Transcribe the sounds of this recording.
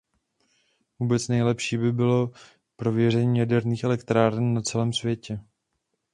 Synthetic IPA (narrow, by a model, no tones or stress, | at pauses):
vuːbɛt͡snɛjlɛpʃiːbɪbɪlo̞ | pɾo̞vjɛr̝ɛɲiːjadɛɾniːxɛlɛkt̪ɾaːɾɛnːat͡sɛlɛːmsvjɛcɛ